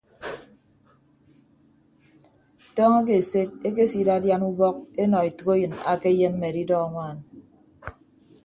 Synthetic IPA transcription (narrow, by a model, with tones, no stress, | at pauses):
tɔː˦ŋe˦k̬e˨se˦k̚e˦k̬e˦si˦da˦dja˦nu˦bɔ˦k̚e˦nɔ˨i˨tɨ˨ko˦jɨ˨na̰˨ke˦je˦m̩˦me˨di˦dɔ˦a˨ŋʷaː˦˨n